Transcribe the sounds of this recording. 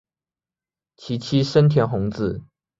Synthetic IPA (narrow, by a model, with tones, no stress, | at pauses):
t͡ɕʰi˧˥t͡ɕʰi˦ʂə˥nt̪ʰjɛ˧˥nxʊ˧˥˦ŋt͡sɹ̩˥˩